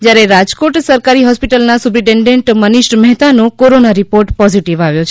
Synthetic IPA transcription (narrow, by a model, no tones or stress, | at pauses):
d͡ʒjaɾeɾad͡ʒkoʈsəɾkaɾiɦɔspiʈəlnasupɾiʈẽɳɖeɳʈməniʃʈmɛɦt̪anõkoɾonaɾipoɾʈpɔziʈiʋaʋjõt͡ʃʰ